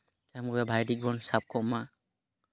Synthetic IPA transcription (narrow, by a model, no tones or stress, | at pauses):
zamɡɔjabʱajdik̚bɔnsap̚kʰɔma